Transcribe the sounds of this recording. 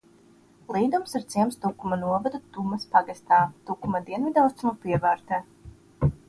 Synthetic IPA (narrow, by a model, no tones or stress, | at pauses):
lˠiːd̪umsiɾt̪siɛmst̪ukumɐnuɔvad̪ut̪umɐspaɡast̪aːt̪ukumad̪iɛnvid̪awst̪umupiɛvæːɾt̪ɛː